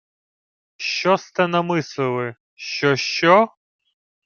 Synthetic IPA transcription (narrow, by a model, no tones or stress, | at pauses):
ʃt͡ʃɔst̪ɛnɐmɪslˠɪlˠɪ | ʃt͡ʃɔʃt͡ʃɔ